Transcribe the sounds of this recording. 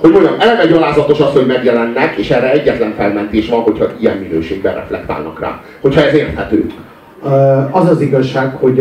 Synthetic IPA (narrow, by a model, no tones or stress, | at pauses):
hoɟmoɲɒmɛlɛɡɛɟɒlaːzɒt̪o̞ʃɒsho̞ɟmɛɡjɛlɛnːɛkeːʃɛrːɛɛɟːɛt̪lɛɱfɛlmɛnt̪eːʃvɒnɦo̞chɒijɛ̰mːinøːʃeːɡ̚bɛ̰rʔɛ̰flɛ̰kt̪a̰ːlnɒkra̰ː | hochɒɛzeːrt̪hɛt̪ø̰ː | ɒzɒziɡɒʃːaːkho̞ɟ